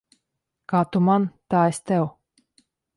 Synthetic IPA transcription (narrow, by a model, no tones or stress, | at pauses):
kaːt̪umant̪aːɛst̪ɛw